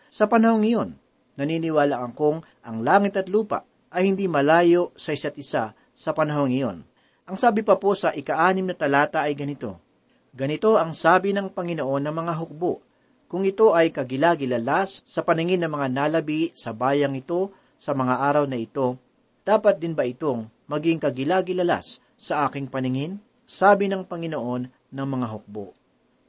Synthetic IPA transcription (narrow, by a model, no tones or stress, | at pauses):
sɐpɐnɐho̞ŋːɐjo̞nː | ɐninɪwaːlɐkɐŋkoŋ | ʔɐŋlaːŋɪt̪ɐt̪luːpa̰ʔ | ʔɐjhɪnd̪imɐlaːjo̞ʔsɐʔɪsat̪̚ɪsa | sɐpɐnɐɦo̞ŋːɐjo̞̰n | ʔɐŋsaːbɪpɐpo̞sɐʔɪkɐʔaːnɪmnɐt̪ɐlaːt̪ɐʔɐjɡɐnɪt̪o̞̰ | ɡɐnɪt̪o̞ʔɐŋsaːbɪnɐŋpɐŋɪnoʔo̞nːɐŋmɐŋaɦʊk̚boʔ | kʊŋʔɪt̪o̞ʔɐjkɐɡɪlaɡɪlɐlasːɐpɐnɪŋɪnːɐmɐŋanalɐbisɐbaːjɐŋɪt̪o̞ | sɐmɐŋaʔaːɾɐwnɐɪt̪o̞ | d̪̥aːpɐt̪̚d̪ɪnbɐʔɪt̪o̞ŋmɐɡɪŋkɐɡɪlaːɡɪlɐla̰sː | ɐʔaːkɪŋpɐnɪŋɪn | saːbɪnɐŋpɐŋɪno̞ʔo̞nːɐŋmɐŋaɦʊk̚bo̰ʔ